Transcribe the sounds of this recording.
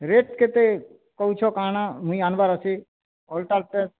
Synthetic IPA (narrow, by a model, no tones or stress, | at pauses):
ɾeʈket̪e | kɔɦut͡ʃʰɔkanãmũĩanbaɾəsʰi | ɔlʈaɾʈe